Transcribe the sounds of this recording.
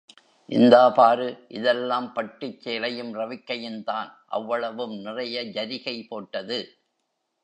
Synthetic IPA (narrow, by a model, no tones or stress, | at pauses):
ʔɪ̰nd̪aːpaːɾɯʔɪðɛlːaːmpɐʈːɪt͡ʃːeːlɐjɯmrɐʋɪkːɐjɪnt̪aːnʔɐ̰ʋːɐɭɐʋɯmnɪrɐjɐd͡ʒɐɾɪɣɐɪpoːʈːɐðɯ